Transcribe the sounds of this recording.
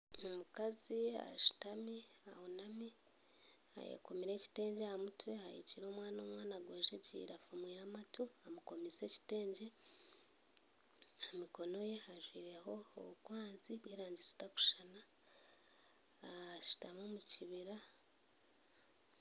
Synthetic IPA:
omukazia̰ʃu̥tamiahonami | a̰jḛko̞miɾeci̥te̞ːɲɟehamutwe̞hajḭciɾo̞ːmwaːno̞ːmwaːnaɡweːʒecḭːɾafumwiːɾamatuamuko̞mise̞ci̥te̞ːɲɟe̞ | amiko̞no̞je̞haʒwiːɾe̞ɦo̞o̰βukwaːnziβweːɾaːɲɟizi̥taku̥ʃana | ʃu̥tamomuciβiɾa

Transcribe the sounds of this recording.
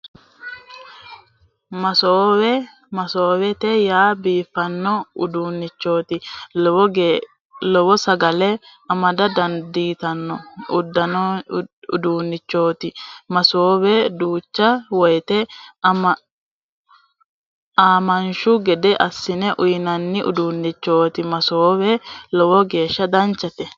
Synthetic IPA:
mɐsoːwɛ | mɐsoːwɛt̪ɛjaːbiːfːɐnːɔʊd̪uːnːɪt͡ʃːo̞ːt̪ɪ | lɔbɔsɐɡɐlɛ | ɐmɐd̪ɐd̪ɐnd̪iːt̪ɐnːɔʊd̪ːɐnɔʊd̪uːnːɪt͡ʃːo̞ːt̪ɪmɐsoːwɛd̪uːt͡ʃːɐwɔjt̪ɛ | aːmɐnʃʊɡɛd̪ɛʔɐsːɪnɛʔʊjnɐnːɪʔʊ̰d̪uːnːɪt͡ʃːo̞ːt̪ɪmɐsoːwɛlɔwɔɡe̞ːʃːɐd̪ɐnt͡ʃːɐt̪ɛ

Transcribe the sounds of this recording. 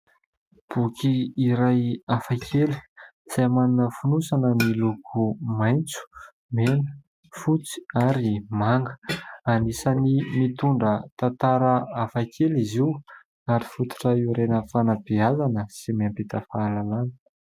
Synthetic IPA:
b̥ukʰiːɾajafakʰeli̥ | z̥amaninəfunusanənilukʰumajnt͡su̥ | menə̥ | fut͡si̥aɾimaŋɡə̥anisənimit̪uɳɖ͡ʐət̪at̪aɾəafakʰeliziw | aɾifut̪u̥ʈ͡ʂaiɾenəfanabiazanəsimiampit̪əfaːlalanə̥

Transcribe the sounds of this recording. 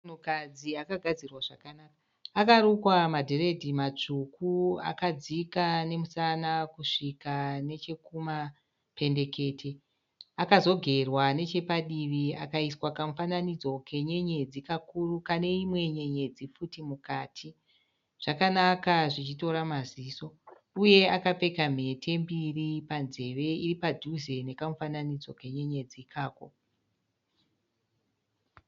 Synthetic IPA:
nukad͡ziakaɡʱad͡zirwaʐakanaka | akaɾukwamadʱere̞dʱimat͡ʂukua̰kad͡zikane̞musanakuʂikane̞t͡ʃe̞kuma | pe̞nde̞ke̞ːtʰe̞ | akazo̞ɡʱe̞rwane̞t͡ʃe̞paɗiʋiakaiswakamufananid͡zo̞kʰe̞ɲe̞ɲe̞d͡zikakurukane̞imwe̞ɲe̞ɲe̞d͡zifutimukaːtʰi | ʐ̥akanakaʐit͡ʃito̞ɾamaziso̞ | uje̞akape̞kam̤e̞tʰe̞mbiripanze̞ʋe̞iripadʱuze̞ne̞kamufananid͡zo̞ke̞ɲe̞ɲe̞d͡zikʰaːko̞̰

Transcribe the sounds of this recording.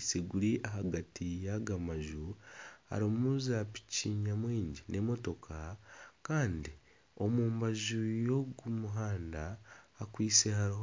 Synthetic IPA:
seɡuɾiʔaɦaɡatʰijaɡamaʒuha̰ɾimuzapi̥ciːɲamwiːɲɟine̞mo̞to̞kʰakaːndi | o̞muːmbaʒujo̞ɡumuɦaːndaːkwiːseɦaɾiɦo

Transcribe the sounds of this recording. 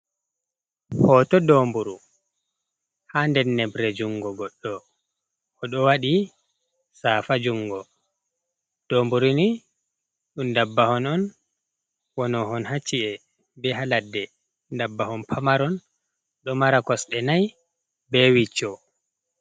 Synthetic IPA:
hɔtɔdɔmbuɾu | handɛnːɛbɾɛd͡ʒuŋɡɔɡɔɗːɔː | ɗɔwaɗi | saːfad͡ʒuŋɡɔ | d̥oːmbuɾuni | ɗundabːahɔnɔn | wɔnɔɦɔnhat͡ʃːiʔɛ | bɛɦaladːɛ | ndabːahɔnpʰamaɾɔn | ɗɔmaɾakɔsɗɛnaj | bɛwit͡ʃːɔ

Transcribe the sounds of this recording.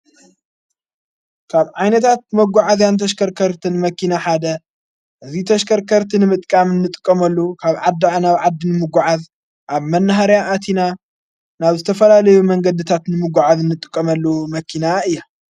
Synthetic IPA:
kʰaβʕajnɐt̪ʰat̪̚mɐɡʷaʕazjant̪ʰɐʃkʰɐɾkʰɐɾt̪ʰɨnmɐkʰinaħad̪ɐ | ʔɨzit̪ʰɐʃkʰɐɾkʰɐɾt̪ʰinɨmɨt̪ʼkʼamɨnːɨt̪ʼɨ̥kʼːɐmɐlːukʰaβʕad̪naβʕad̪ːinɨmɨɡʷuʕaz | ʔaβmɐnːɐɦaɾjaʔːt̪ʰina | naβzɨt̪ʰɐfɐlalɐjumɐŋɡɐd̪ɨt̪ʰat̪nɨmɨɡʷuʕazɨnːɨt̪ʼɨkʼːɐmɐlːomɐkʰinaʔɨjːa

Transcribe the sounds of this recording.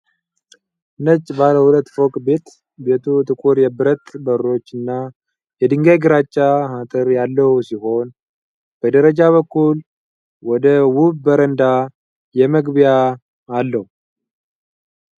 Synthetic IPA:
nət͡ʃʼːbaləhulət̪ːfokʼbe̞t̪ | be̞t̪ʰut̪ʰʼɨkʼuɾjɛbɨɾət̪ʼbəɾːo̞t͡ʃːɨnːa | jɛd̪ɨŋɡajɡɨɾat͡ʃʼːahat̪ʼɨɾjalːəwusiho̞n | b̥əd̪əɾəd͡ʒaβəkːul | wɔd̪əwuβbəɾənd̪a | jɛməɡbijaː | lːəhu

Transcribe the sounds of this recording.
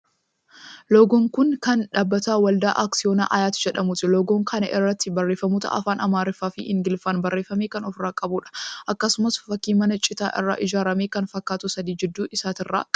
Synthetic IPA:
loːɡoːŋkʊnkɐnᶑaːbːɐt̪aːwɐld̪aːʔaːksɪo̞ːna̰ːʔɐjaːt̪ɪd͡ʒɛᶑɐmʊt̪ɪloːɡoːŋkʰɐnɐ̰ʔɪrːɐt̪ːɪbɐrːe̞ːfːɐmuːt̪ɐ̰ʔɐ̰faːnʔɐmaːɾɪfaːfɪ̰ɪ̰ŋɡɪlfaːnbɐrːeːfɐmeːkɐnɔfɾaːkʼɐbuːᶑɐ̥ʔɐkːɐsʊmɐsfɐkːiːmɐnɐt͡ʃʼɪt̪a̰ːʔɪ̰rːa̰ːʔɪd͡ʒaːɾɐmeːkɐnfɐkːaːt̪ʊsɐd̪iːd͡ʒɛd̪ːuːʔɪsaːt̪ɪrːa̰ːkʼ

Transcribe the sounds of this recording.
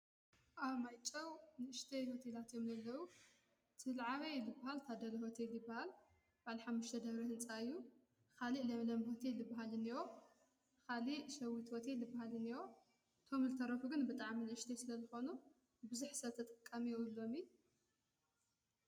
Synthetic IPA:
ʔaβmajt͡ʃʼːɐwnɨʔɨʃt̪ʰejho̞t̪ʰelat̪jo̞mzɐlːɐwu | t̪ʰɨlʕaβɐjlɨbːahalt̪ʰad̪ɐlɐho̞t̪ʰeljɪbːahal | b̥aʕliħamːuʃt̪ʰɐd̪ɐβɾɐhɨnt͡sʼaɨjːu | kʰaliʔlɐmlɐmho̞t̪ʰelːɨbːaɦalɨniwo̞ | kʰaliʔʃɐwit̪hot̪ʰelːɨbːahalɨniwo̞ | ʔɨt̪ʰo̞mzɨt̪ʰɐɾɐfuɡɨnbɨt̪ʼaʕminɨʔɨʃt̪ʰesɨlɐzɨxo̞nu | bɨzuħsɐt̪ʰɐt̪ʼɐ̥kʼːamijɛwɨlːo̞mi

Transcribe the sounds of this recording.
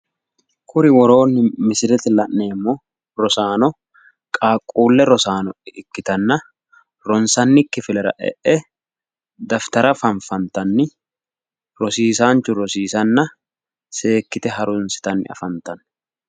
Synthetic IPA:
kʰʊɾɪwɔɾo̞ːnːɪmɪsɪɾɛt̪ɛlɐʔne̞ːmːɔ | ɾɔsaːnɔ | kʼaːkʼːuːlːɛɾɔsaːnɔʔɪɪkːɪt̪ɐnːɐ | ɾɔnsɐnːɪkːɪfɪlɛɾɐ̰ʔɛ̰ʔɛ | d̪ɐft̪ɐɾɐfɐɱfɐnt̪ɐnːɪ | ɾɔsiːsaːnt͡ʃːʊɾɔsiːsɐnːɐ | se̞ːkːɪt̪ɛɦɐɾʊnsɪ̥t̪ɐnːɪ̰ɐ̰fɐnt̪ːɐn

